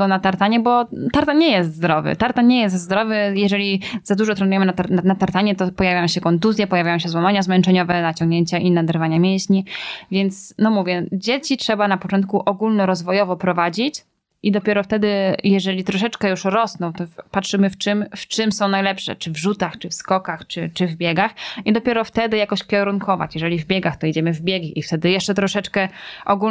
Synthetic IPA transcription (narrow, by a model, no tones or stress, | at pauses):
ɡɔnat̪aɾt̪aɲɛbɔt̪aɾt̪aɲɛjɛst̪zd̪ɾɔvɘ̰t̪aɾt̪aɲɛjɛst̪zd̪ɾɔvɘjɛʐɛlʲizad̪uʐɔt̪ɾɛnujɛmɘnat̪aɾnanat̪aɾt̪aɲɛt̪ɔpɔjavʲajɔ̃w̃ɕɛkɔnt̪uzʲjɛpɔjavʲajɔ̃wɕ̬ɛzwamaɲazmɛnt͡ʂɛɲɔvɛnat͡ɕɔŋɡɲeɲt͡ɕaʔinad̪ɛɾvaɲamʲjɛ̃ɕɲivʲjɛnt̪snɔmuvʲjɛd͡ʑet͡ɕitʂɛbanapɔt͡ʂɔnt̪̚kuʔɔɡulnɔɾɔzvɔjɔvɔpɾɔvad͡ʑit͡ɕ | ʔid̪ɔpʲɛɾɔft̪ɛd̪ɘjɛʐɛlʲit̪ɾɔʂɛt͡ʂkɛjuʂɾɔsnɔ̃w̃t̪ɔpatʂɘmɘft͡ʂɘmft͡ʂɘmsɔ̃w̃najlɛpʂɛ̰t͡ʂɘvʐut̪axt͡ʂɘfskɔkaxt͡ʂɘt͡ʂɘvbʲjɛɡaxid̪ɔpʲjɛɾɔft̪ɛd̪ɘjakɔɕkʲɛɾunkɔva̰t͡ɕjɛʐɛlʲivbʲjɛɡaxt̪ɔid͡ʑɛmɘvbʲjeɡʲiʔift̪ɛd̪ɘjɛʂt͡ʂɛt̪ɾɔʂɛt͡ʂkɛʔɔɡu